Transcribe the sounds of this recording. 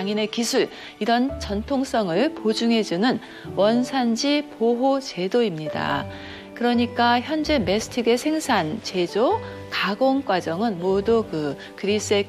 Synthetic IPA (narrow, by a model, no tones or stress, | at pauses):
ŋine̞kisʰuɭ | iɾʌnt͡ɕʌntʰoŋs͈ʌŋɯɭpod͡ʑuŋɦe̞d͡ʑunɯn | wʌnsʰand͡ʑipoɦot͡ɕe̞doimɲida̰ | kɯɾʌɲik͈açjʌnd͡ʑe̞me̞sʰɯ̥tʰiɡe̞sʰe̞ŋsʰant͡ɕe̞d͡ʑo | kaɡoŋk͈wad͡ʑʌŋɯnmodukɯ | kɯɾis͈e̞